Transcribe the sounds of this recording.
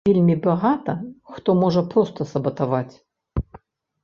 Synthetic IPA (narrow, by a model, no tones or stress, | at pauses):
vʲelʲmʲibaɣat̪ɐxt̪ɔmɔʐɐpɾɔst̪ɐsɐbɐt̪avat͡sʲ